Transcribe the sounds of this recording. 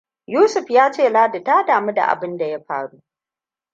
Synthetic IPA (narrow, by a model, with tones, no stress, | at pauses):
juː˦sʊ˨ɸjaː˦t͡ʃeː˦˨laː˦da˨taː˦daː˨mu˦da̰˨ʔa̰˨bɪ˦nda˨ja˦ɸaː˦ɽuː˦ʔ